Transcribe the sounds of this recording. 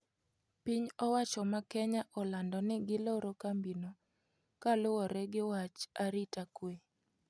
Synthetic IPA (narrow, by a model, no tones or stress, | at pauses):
piɲɔwat͡ʃɔmakɛɲaʔɔlandɔnɪɡɪloɾokambino | kalʊwɔɾɛɡɪwat͡ʃaɾitakwe